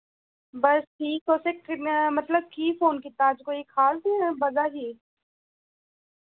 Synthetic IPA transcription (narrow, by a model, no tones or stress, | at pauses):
bɐsʈʰiːkosemɐt̪ləb̚kiːfoːnkit̪aːd͡ʒkoːikʰaːlt̪ebɐzaɦiː